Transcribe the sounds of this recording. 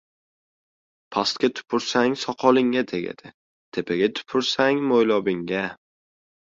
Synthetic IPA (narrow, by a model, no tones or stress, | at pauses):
pʰast̪̚kʲat̪ʰʊ̥pʰʊɾsaŋsɒqʰɒlˠɪŋːat̪ʰeɡʲa̰d̪̥ɪ | t̪ʰe̞pʰaɡʲat̪ʰʊ̥pʰʊɾsaŋmojlɒbɪŋɡa